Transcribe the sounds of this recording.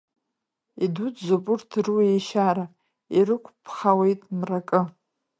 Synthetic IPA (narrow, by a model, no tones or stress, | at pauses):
idudzopʼʊrtʰrueʃaɾa | iɾɨkʷʰʼpʰχawejtʼmrakʼɨ